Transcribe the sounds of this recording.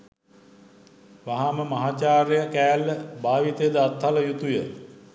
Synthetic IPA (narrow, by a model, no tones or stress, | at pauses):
ʋaɦaməmɐɦat͡ʃaːɾəjəkæːlːəbaːʋit̪ejəd̪əat̪haləjut̪ujə